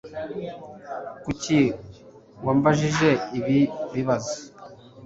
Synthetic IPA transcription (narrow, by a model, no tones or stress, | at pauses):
kuci | waːmbaʒiʒe̞iβiβiβazi